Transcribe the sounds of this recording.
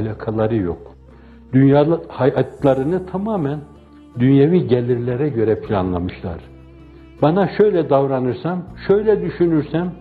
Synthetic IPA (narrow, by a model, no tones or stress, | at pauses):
lʲakʰalˠaɾɯjo̰k | d̪̥ynjaːhajat̪lˠaɾɯnɯt̪ʰamaːmæn | d̪ynjaviɟɛlʲiɾlʲɛɾɛɟø̞ɾɛpʰilʲa̰nlˠamɯʃlˠa̰ɾ̥ | banaʃø̞jlʲɛd̪avɾanɯɾsamʃøjlʲɛd̪yʃynyɾsæm